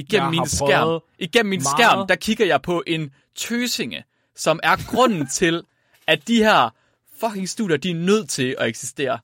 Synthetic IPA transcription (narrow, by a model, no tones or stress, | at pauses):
iɡ̥en̰m̩ːinsɡæɐ̰ʔiɡ̥en̰m̩ːinɡ̥æɐ̰md̥ækʰiɡ̥ɐjɑ̈ɪpʰɒ̽ʔe̝n | t͡sʰøːse̝ŋə | sɒ̽mæɐɡ̥ʁɔ̽n̰n̩t͡sʰe̝l | æd̥ihɛɐ̰ | fɒ̽kʰe̝ŋsd̥ṵːdˠjɐd̥iæɐnøð̞̰ˠt͡sʰe̝lɒ̽eɡ̥si̥sd̥e̝̰ːɐ